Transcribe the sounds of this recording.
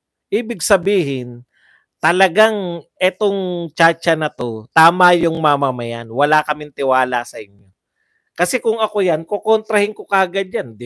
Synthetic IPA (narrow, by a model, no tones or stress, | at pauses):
ʔiːbɪɡsɐbiːɦɪn | t̪ɐlɐɡaŋʔɛt̪o̞ŋt͡ʃat͡ʃɐnɐt̪o̞t̪aːmɐjʊŋmamamɐjanwɐlakɐmɪnt̪ɪwaːlasɐʔɪɲjo̞ | kɐsɛkʊŋɐko̞jankokont̪ɾɐhɪŋkokɐʔɐɡad̪̚jand̪ɪ